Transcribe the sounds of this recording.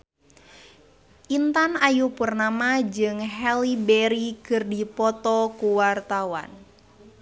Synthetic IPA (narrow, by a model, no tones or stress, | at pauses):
ʔint̪anajupurnamad͡ʒɨŋɦɛlibɛɾikɨrdipɔt̪ɔkuwart̪awa̰n